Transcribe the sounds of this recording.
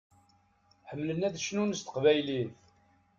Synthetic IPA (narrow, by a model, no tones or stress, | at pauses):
ħəmːlənæðʃənunəst̪ə̥qvæjliθ